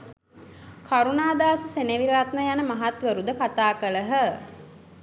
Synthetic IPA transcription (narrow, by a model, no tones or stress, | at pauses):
kʰaɾunaːd̪aːsəseneʋiɾəɾat̪nəjanəmaɦat̪ʋəɾud̪əkat̪aːkələɦə